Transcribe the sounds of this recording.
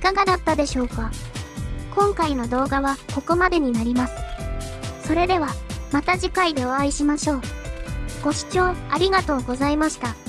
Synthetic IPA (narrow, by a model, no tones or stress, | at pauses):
ikaɡad̪at̪ːad̪e̞ɕo̞ːka | kõ̞ŋkaino̞d̪o̞ːɡaβako̞ko̞mad̪e̞ɲ̟inaɾʲimasɨ̥ | so̞ɾe̞d̪e̞β̞amat̪aʑikaid̪e̞oaiɕimaɕo̞ː | ɡ̥o̞ɕi̥t͡ɕo̞ːaɾʲiɡat̪o̞ːɡo̞zaimaɕi̥t̪a